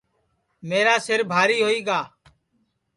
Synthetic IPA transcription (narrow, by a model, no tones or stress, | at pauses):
meːɾaːsɪɾbʱaːɾiːɦoːiːɡaː